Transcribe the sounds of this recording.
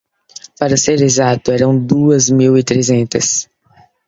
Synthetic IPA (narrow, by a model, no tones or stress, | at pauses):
paɾɐseɾezat̪ʊɛɾɐ̃w̃d̪uɐzmiwɪt̪ɾezẽnt̪ɐs